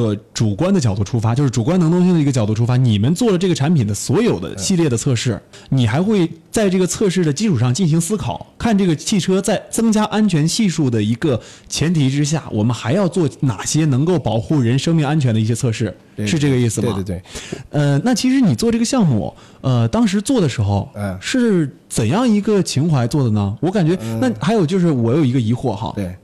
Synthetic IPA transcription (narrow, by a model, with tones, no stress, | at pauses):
ə˧˩ʈ͡ʂu˨˩kwa˥nd̪ə˩t͡ɕjɑ˨˩ʊt̪u˥˩ʈ͡ʂʰu˥fa˥t͡ɕjo˥˧ʊʂɻ̩˥˩ʈ͡ʂu˨˩kwa˥nɤ˧˥ŋt̪ʰʊ˥ŋɕ̬i˥ŋd̪ə˨i˧˥ɡə˩t͡ɕɑ˨˩ʊt̪u˥˩ʈ͡ʂʰu˥fa˥ni˨˩mə˦nt͡swɔ˥˩lə˩ʈ͡ʂɤ˥˩ɡə˩ʈ͡ʂʰa˧˥npʰi˨˩nd̪ə˦swɔ˧˥jo˨˩ʊd̪ə̰˦ɕi˥˧ljɛ˥˩d̪ə˩t͡sʰɤ˥˧ʂɻ̩˥˩ | ni˨˩xa˧˥ɪxwe˥˧ɪt͡sa˥˧ɪʈ͡ʂɤ˥˩ɡə˩t͡sʰɤ˥˧ʂɻ̩˥˩d̪ə˩t͡ɕi˥ʈ͡ʂʰu˨˩ʂɑ˥˧ŋt͡ɕi˥˩nɕ̬i˧˥ŋsɹ̩˥kʰɑ˨˩˦ʊkʰa˥˧nʈ͡ʂɤ˥˩ɡə˩t͡ɕʰi˥˩ʈ͡ʂʰɤ˥t͡sa˥˩ɪt͡sɤ˥ŋt͡ɕja˥ʔa˥nt͡ɕʰɥɛ˧˥nɕi˥˧ʂu˥˩d̪ə˩i˧˥ɡə˧t͡ɕʰjɛ˧˥nt̪ʰi˧˥ʈ͡ʂɻ̩˥ɕ̬ja̰˥˩wʔɔ̰˨˩mə˦nxa˧˥ɪjɑ˥˧ʊt͡swɔ˥˩na̰˨˩ɕjɛ˥nɤ˧˥ŋko˥˩ʊpɑ˨˩ʊxu˥˩ɻə˧˥nʂɤ˥ŋmi˥˧ŋa˥nt͡ɕʰɥɛ˧˥nd̪ə˧i˥˩ɕjɛ˥t͡sʰɤ˥˧ʂɻ̩˥˩ | ʂɻ̩˥˧ʈ͡ʂɤ˥˩ɡə˩i˥˩sɹ̩˩bɐ˧˩˥ə˧na˥˩t͡ɕʰi˧˥ʂ̬ɻ̩˧˥ni˨˩t͡swɔ˥˧ʈ͡ʂɤ˥˩ɡə˧ɕjɑ˥˧ŋmṵ˥˩ | ə˧t̪ɑ˥ŋʂ̬ɻ̩˧˥t͡swɔ˥˩d̪ə˩ʂɻ̩˧˥xo˧ʊʂɻ̩˥˩ | t͡sə˨˩njɑ˥˩ŋi˧˥ɡə˧t͡ɕʰi˧˥ŋxwa˧˥ɪt͡swɔ˥˩d̪ə˩nə˩wɔ˧˥ka˨˩nt͡ɕɥɛ˧˥na˥˩xa˧˥ɪjo˨˩ʊt͡ɕjo˥˧ʊʂ̬ɻ̩˥˩wɔ˨˩jo˨˩ʊi˧˥ɡə˧i˧˥xwɔ̰˥˩xɑ̰˧˥˧